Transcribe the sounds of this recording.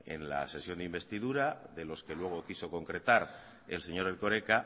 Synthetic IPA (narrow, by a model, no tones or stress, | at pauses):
e̞̰nla̰se̞sjo̞nd̪imbe̞st̪iðuɾaðe̞lo̞ske̞lwe̞ɣ̞o̞kiso̞ko̞ŋkɾe̞t̪aɾ | e̞̰lse̞ɲo̞ɾelko̞ɾe̞ka